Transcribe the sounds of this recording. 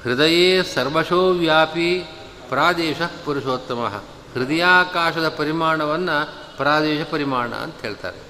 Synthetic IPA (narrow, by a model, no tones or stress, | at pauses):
hɾɪd̪ɐjeːsɐɾʋɐʃoːʋjaːpi | pɾaːd̪eːʃɐpuɾiʃoːt̪ːɐmɐ̰ɦɐ̰ | hɾɪd̪ɐjaːkaːʃɐd̪ɐpɐɾimaːɳɐʋɐnːɐ | pɾaːd̪ɛːʃɐpɐɾimaːɳɐ̰ɐ̰nt̪ɐɦeːɭt̪a̰ːɾe